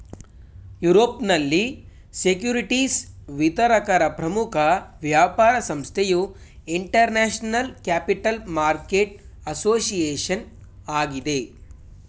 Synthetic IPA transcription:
juɾoːpnɐlːi | sekjuːɾiʈisʋit̪ɐɾɐkɐɾɐpɾɐmukʰɐʋjaːpaːɾɐsɐmst̪ʰeju | iɳʈɐɾnaːʃnɐlkæːpiʈɐlmaːɾkeːʈ̚ | ɐsoːsijeːʂɐn | aːɡid̪e

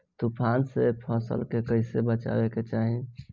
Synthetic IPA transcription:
t̪upʰansepʰəsə̰lkekəɪsebət͡ʃa̰beket͡ʃaɦi

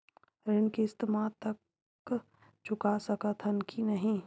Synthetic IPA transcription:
ɾɪnkeːst̪maːt̪ɐk | t͡ʃʰʊkasɐkət̪ʰənkʰinɐɦĩ

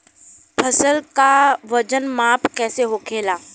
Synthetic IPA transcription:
pʰɐsəlkaʋɐd͡ʑənmaːpkɛːseɦoːkʰeːlaː

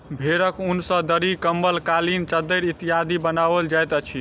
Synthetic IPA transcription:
bʱeɾəkunsə̃d̪əɾikəmbəlkalint͡ʃəd̪əɾit̪ijad̪ibənabəld͡ʒajt̪ət͡ʃʰi

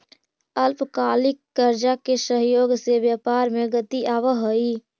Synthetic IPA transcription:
əlpkaːlɪkːəɾd͡ʒakesəɦjoːɡsebjəpaɾmeɡət̪iʔaʋəɦəi

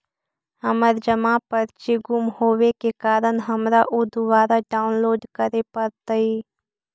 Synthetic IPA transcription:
həməɾd͡ʒəmãpəɾt͡ʃiɡʊmhoːʋekekaːɾənɦəmɾaʔʊd̪ʊʋaːɾaɖaːʊnloːɖkəɾepəɾt̪aiː

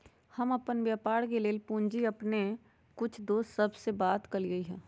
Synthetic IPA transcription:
hɐməpənʋjaːpaːɽkeleːlpũːnd͡ʒiɐpne | kʊt͡ʃʰd̪oːst̪səbsebaːt̪kɐliɡəiɦɛ̰̃ː

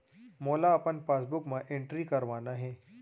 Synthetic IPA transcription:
moːlaɐpənpaːsbʊkmãʔɪ̃ɳʈɾikɐɾʋaːnaɦɛ̃ː

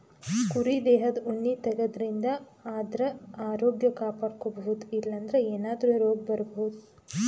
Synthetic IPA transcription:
kuɾid̪eːɦɐd̪onːit̪ɐɡɐd̪ɐɾind̪ɐ | aːd̪ɾɐaːɾoːɡjɐkaːpaːɽkobɐɦud̪ilːɐnd̪ɐɾeeːnaːd̪ɐɾuɾoːɡ̚bɐɾɐbɐɦud̪u

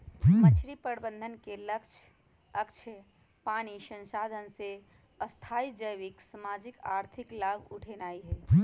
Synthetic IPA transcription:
mət͡ʃʰɾipəɾbə̃nd̪ʱənkeləkʃʰ | əkʃʰə | paːniʃə̃nsaːd̪ʱənse | əst̪ʰaːid͡ʒəjʋɪksəmaːd͡ʒɪka̰ːɾt̪ʰɪklaːbʱʊʈʰenaːiɦɛː

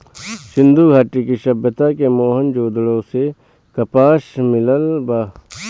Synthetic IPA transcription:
ʃɪ̃nd̪uɡʱaːʈikiʃɐbːət̪akemoːɦənd͡ʒoːd̪ɽõse | kɐpaːʃmɪləlbaː

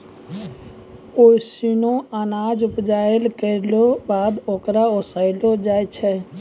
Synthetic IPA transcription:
oisinõənad͡ʒupd͡ʒaelkəɾlobad̪okɾaosaɪlod͡ʒajt͡ʃʰɛ

